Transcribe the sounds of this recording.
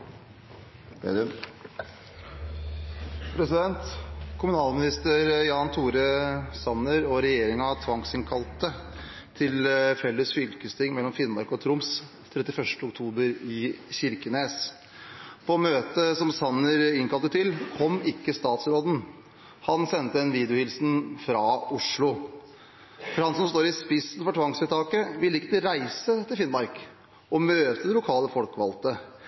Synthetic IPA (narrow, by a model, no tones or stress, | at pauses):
pʰɾɛsɪd̪ɛnt̪kʰʊmʉnɑːlmɪnɪst̪əɾjɑːnt̪ʰuːɾəsɑnəɾɔɾɛjeːɾɪŋɑt̪ʰʋɑŋsɪŋkʰɑlt̪ə | t̪ʰɪlfɛlːəsfʏlkəst̪ʰɪŋmɛlːɔmfɪnmɑɾkɔt̪ʰɾʊms | t̪ʰɾɛt̪ːɪfœʂʈəʊkt̪ʰuːbəɾɪçɪɾkəneːs | pʰɔmøːt̪əsɔmsɑnːəɾɪŋkʰɑlt̪ət̪ʰɪlkʰɔmːɪkːəst̪ɑːt̪sɾoːd̪n̩ | hɑnsɛnt̪əd̪ɛnʋiːd̪əʊhɪlsn̩fɾɑʊʂɭʊ | fɔɾhɑnsɔmst̪oːɾɪspɪsnfɔʈʰʋɑŋsɛt̪ʰɑːkəʋɪlːɪkːət̪əɾæɪsət̪ʰɪlfɪnmɑɾk | ɔmøːt̪əd̪ɛlʊkʰɑːləfɔlkʋɑ̰lt̪ə